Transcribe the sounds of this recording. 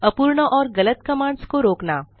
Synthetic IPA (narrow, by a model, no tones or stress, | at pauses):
ɐpuːɾɳəʔɔːɾɡɐlət̪kɐmãːɳskoɾoːknaː